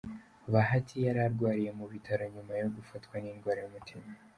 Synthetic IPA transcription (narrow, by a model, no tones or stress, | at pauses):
βaɦatʰijaɾaɾɡwaːɾije̞muβitʰaɾoɲumajo̞ɡufatkwaniːnɡwaːɾejomutʰima